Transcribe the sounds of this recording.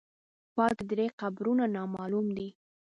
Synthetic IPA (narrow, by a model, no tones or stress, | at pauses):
pɑkd̪ɾeqabɾunanɑmɑlumd̪i